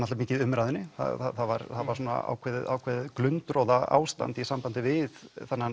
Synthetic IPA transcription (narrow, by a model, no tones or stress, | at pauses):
nat̪lɾmiːcɪðʏmɾaːjðʏnːɪθa̰θa̰θava̰ɾθaðvaɾsuːna̰a̰ːwkʰvɛːðɪða̰ːwkʰvɛːðklʏnt̪ɾowðaa̰ːwst̪a̰nt̪isampant̪ɪvɪðθanːa